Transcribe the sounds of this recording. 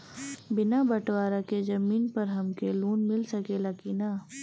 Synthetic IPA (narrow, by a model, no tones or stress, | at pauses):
bɪnabɐʈwaːɾakezɐmiːnpɐɾɦɐmkeluːnmɪlsɐkelaːkina